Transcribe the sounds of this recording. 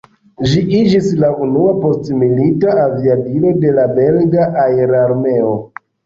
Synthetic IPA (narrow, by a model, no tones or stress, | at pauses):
d͡ʒiʔid͡ʒislaʔunuapo̞stmilitaaviabilo̞de̞labe̞lɡaʔaeɾaɾme̞o̞